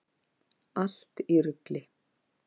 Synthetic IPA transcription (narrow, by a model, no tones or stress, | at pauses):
al̥t̪iɾʏklɪ